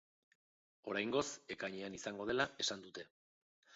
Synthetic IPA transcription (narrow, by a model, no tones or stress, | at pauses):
o̞ɾajŋɡo̞se̞kajɲeanisaŋɡo̞ð̞e̞lae̞sand̪ut̪e̞